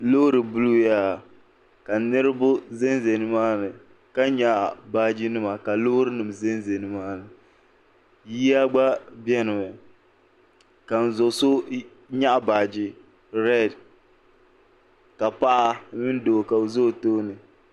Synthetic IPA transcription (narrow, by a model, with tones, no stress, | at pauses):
lo˦ɾɨ˨bu˦lu˦ja˦˨ | ka˨nɨ˦ɾɨ˦bʊ˦ze˦nze˨nɨ˨maː˦nɨ˨ | ka˦ɲa˨ʔbaː˦d͡ʒi˦nɨ˦ma˨ka˨lo˦ɾɨ˦nɨ˨m˨ze˦n˦ze˨nɨ˨maː˦nɨ˨ | ji˦a˦ɡ͡ba˦bjɛ˦nɨ˨mɛ˨ | ka˨n̩˨zo˨so˦ | ɲa˦ʔbaː˨d͡ʒi˦ | ɾɛ˦˨d | ka˨pa˦ʔa˦mɨ˦n˦do˨ka˨zo˦˨to˦nɨ˨